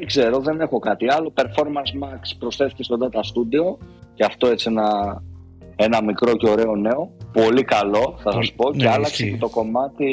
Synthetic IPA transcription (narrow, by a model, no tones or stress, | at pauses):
eɡze̞ɾo̞ðe̞ne̞xo̞kɐt̪iɐlo̞pe̞ɾfo̞ɾmɐnsmɐkspɾo̞sθe̞θice̞st̪ond̪ɐt̪ɐst̪ud̪io̞ceɐft̪o̞e̞t͡sienɐ | e̞nɐmikɾo̞ce̞o̞ɾe̞o̞ne̞o̞po̞likɐlo̞θɐsɐspo̞ceɐlɐksecet̪o̞ko̞mɐt̪i